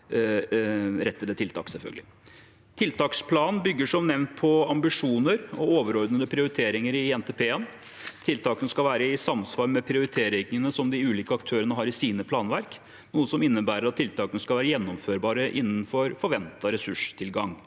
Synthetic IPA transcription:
ɾɛt̪ːəld̪ət̪ʰɪlt̪ʰɑ̰ːksɛlfœ̰ɡəlɪ | t̪ʰɪlt̪ʰɑːkspʰlɑːnnbʏɡːəʂɔmnɛʋnt̪̚pʰɔɑmbɪʂuːnəɾɔoːʋəɾɔɾd̪nəd̪əpʰɾɪʊɾɪt̪ʰeːɾɪŋəɾɪɛnt̪ʰeːpʰeːən | t̪ʰɪlt̪ʰɑːkənəskɑlʋæːɾəɪsɑmsʋɑlmɛpʰɾɪʊɾɪt̪ʰeːɾɪŋənəsɔmd̪ɪʉːliːkəɑkt̪ʰøːɾənəɦɑːɾɪsiːnəpʰlɑːnʋæɾk | nuːəsɔmɪnːəbæːɾəɾɑt̪ʰːɪlt̪ʰɑːkənəskɑlʋæːɾəjɛnːɔmføːɾbɑːɾəʔɪnːn̩fɔɾfɔɾʋɛnt̪ɑɾɛsʉʂt̪ʰɪlɡɑŋ

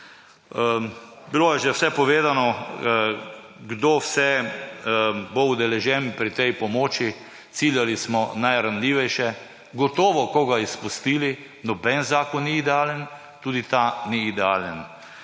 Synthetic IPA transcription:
bilojɛʒɛwsɛpɔʋeːd̪anɔ | ɡd̪owsɛ | bowd̪ɛlɛʒɛnpɾit̪ɛjpɔmoːt͡ʃi | t̪siljalismɔnajɾanlʲiːʋɛjʃɛ | ɡɔt̪ɔːʋɔkɔɡaispust̪iːli | nɔbɛnzaːkɔnːiːd̪ɛaːlən | t̪uːd̪it̪aniːd̪ɛa̰ːlən

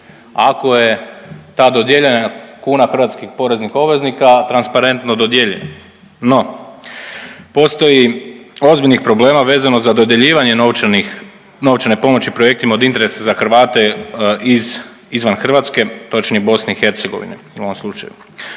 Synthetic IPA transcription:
ako̞jet̪aːd̪o̞d̪jeʎenakuːnaxɾr̩ʋat̪skixpo̞ɾe̞znixo̞bʋe̞znikat̪ɾanspaɾe̞nt̪nod̪o̞d̪jeʎḛna | no̞ | po̞st̪o̞jio̞zbiʎʲnixpɾo̞ble̞ːmaʋe̞ːzano̞zad̪o̞d̪je̞ʎiːʋaɲenoʋt͡ʃanix | no̞ʋt͡ʃanepo̞mo̞t͡ɕipɾo̞je̞k̚t̪imao̞d̪int̪eɾe̞sazaxr̩ʋaːt̪e̞iz | izʋanxr̩ʋat̪ske̞t̪o̞t͡ʃnibo̞sneixe̞ɾt̪seɡo̞̰ʋḭneuoʋomslˠut͡ʃa̰jṵ

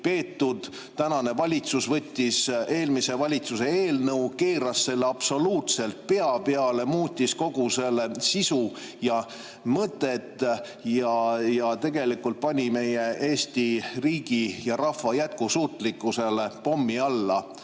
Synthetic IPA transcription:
pe̞ːt̪ːud̪̥ | t̪ænɑne̞vɑlʲit̪susvɤ̞t̪ʲːise̞ːlmise̞vɑlʲit̪suse̞eːlnɤuke̞ːɾɑsːe̞lːeɑb̥so̞luːt̪se̞lt̪̚pe̞ɑpe̞ɑle̞muːt̪ʲːisko̞ɡ̥use̞lːesisu | jɑ | mɤt̪ːˑe̞t̪ːˑ | jɑjɑt̪e̞ɡ̥e̞likult̪̚pɑnʲime̞je̞ʔe̞ːsʲt̪iriːɡ̥ijɑɾɑfːɑjæt̪̚kusuːt̪likːˑuse̞le̞po̞mːiɑlːɑ

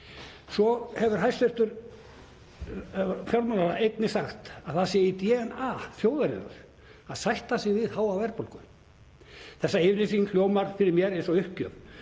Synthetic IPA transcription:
sɔhɛvʏɾ̥ɦajst̪ʏrt̪ʏɾ | fjɔɾmanaɾaejt̪nɪsaxt̪aðθasjɛit̪jɛːnaθjoːwðaɾɪ̰nʏ̰ɾ̥ | aðsajht̪asɪɣvɪðhaːwavɛɾpolkʏ | θɛsːaɪvɾlisil̥joːwmaɾ̥fɪɾɪɾmjɛɾẽjnsɔʏhcœːv

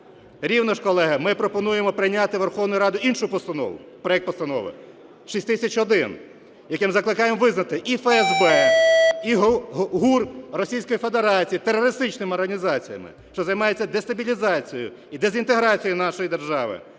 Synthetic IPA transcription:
ɾʲiwnɐʃkɔlˠɛɦɐmɪpɾɔpɔnujemɔpɾɪjnʲat̪ɪʋerxɔwnʊjʊɾɑd̪ʊinʃʊpɔst̪ɐnɔ̰ʋʊ̰pɾɔjɛk̚t̪pɔst̪ɐnɔ̰ʋɪ̰ | ʃisʲt̪ɪsʲɐt͡ʃɔd̪ɪn | jɐkɪmzɐklˠɪkɑjemɔʋɪznɐt̪ɪʔifɛɛzbɛ | iɦɦurrɔsʲijsʲkɔjifed̪eɾɑt͡sʲijit̪erːɔɾɪst̪ɪt͡ʃnɪmɪɔrɦɐnʲizɑt͡sʲijɐ̰mɪ̰ | ʃt͡ʃɔzɐjmɑjet͡sʲːɐd̪est̪ɐbʲilʲizɑt͡sʲijʊ̰ | id̪ezʲint̪eɦɾɑt͡sʲijinɑʃɔjid̪erʒɑʋɪ̰

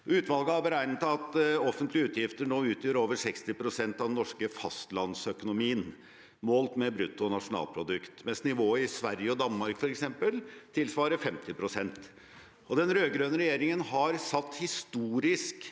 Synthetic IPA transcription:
ʉːt̪ʋɑlɡəhɑɾbəɾæɪnət̪ɑt̪ɔfənt̪lɪʉːt̪ʰjɪft̪əɳoːʉːt̪ʰjøːɾoːʋəsɛkst̪ɪpʰɾʊsɛnt̪ɑʋd̪ɛnːɔʂkəfɑst̪lɑnsœkʊnʊmiːən | moːlt̪mɛbɾʉt̪ːʊɔnɑʂʊnɑ̰ːlpʰɾʊd̪ʉkt̪mɛnsnɪʋoːəɪsʋæɾjəɔd̪ɑnmɑɾkfɔɾɛksɛmpəlt̪ʰɪlsʋɑːɾəfɛmt̪ɪpʰɾʊsɛnt̪ | ɔd̪ɛnɾøːɡɾøːnəɾɛjeːɾɪŋənhɑɾsɑt̪ːhɪst̪uːɾɪsk

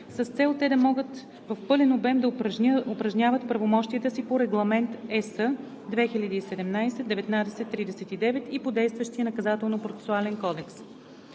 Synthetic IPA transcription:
səst̪sɛlˠt̪ɛd̪ɐmɔɡət̪ | vɐfpɤlʲɛnobɛmd̪ɐʊpɾɐʒnʲavət̪pɾɐvomɔʃt̪iət̪əsipoɾɛɡlˠɐmɛnt̪ɛsə | d̪vɛxilʲɐd̪iːsɛd̪ɛmnajsɛd̪ɛvɛt̪nad̪ɛsɛt̪ːɾid̪ɛsɛt̪id̪ɛvɛt̪ipod̪ɛjst̪vəʃt̪ijənɐkɐzat̪ɛlˠnopɾotsɛ̥sualɛnkɔd̪ɛks

